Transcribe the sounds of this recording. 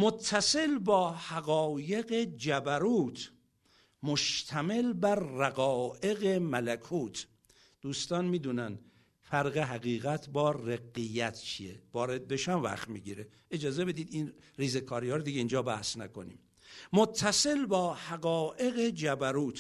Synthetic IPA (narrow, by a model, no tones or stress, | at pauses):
mot̪ʰːæse̞lbɒːhæɣɒːje̞ɣed͡ʒæbæɾuːt̪ʰ | moʃt̪ʰæmelbæɾːæɡɒːʔeɣemælækʰuːt̪ʰ | d̪̥uːst̪ɒːnmiːd̪uːnæn | fæɾɣeɦæɣiːɣæt̪ʰbɒːɾeɡːijæt̪ʰt͡ʃʰijevɒːɾe̞d̪̚be̞ʃæmvæ̰xt̪miːɡiːɾe | ed͡ʒɒːze̞be̞d̪iːd̪iːn | riːzekʰɒːɾjɒːɾd̪iɡeiːnd͡ʒɒːbæhsnæko̞̰nḭːm | mot̪ʰːæse̞lbɒːhæɣɒːʔe̞ɣed͡ʒæbæɾuːt̪